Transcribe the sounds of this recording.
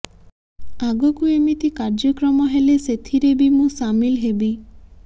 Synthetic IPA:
aɡɔkuemit̪ikaɾd͡ʒɔkɾɔmɔɦeleset̪ʰiɾebimũsamilɦebi

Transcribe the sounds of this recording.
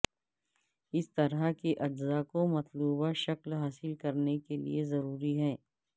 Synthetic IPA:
ɪst̪ɐɾakeʔɐd͡ʒzaːkomɐt̪luːbaʃɐklɦaːsɪlkɐɾnekelḭezɐɾuːɾiɦɛ̃ː

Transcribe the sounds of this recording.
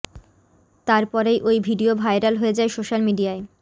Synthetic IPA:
t̪aɾpɔɾejʔojbʱiɖiobʱajɾalɦoed͡ʑaesoʃalmiɖiae

